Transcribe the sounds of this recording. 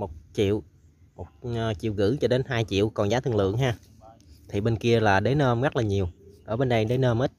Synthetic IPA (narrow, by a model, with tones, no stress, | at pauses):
mo˨˩t̚t͡ɕḭ˧˨əw | mo˨˩t̚ːt͡ɕḭ˧˨əwɣɨ̰˧˥t͡ɕɔ˧ɗe˨˦nɦaː˧jt͡ɕḭ˧˨əwkɔ˨˩nzaː˨˦t̪ʰɨ˨˧əŋlɨ̰˧˨əŋɦaː˧ | t̪ʰi˨˩ɓe˧nki˧əlaː˨˩ɗe˨˦nəː˧mɣa˦˥t̚laː˨˩ɲi˨˩əwʔəː˧˩ɓe˧nɗə˧jɗe˨˦nəː˧mʔi˦˥t̚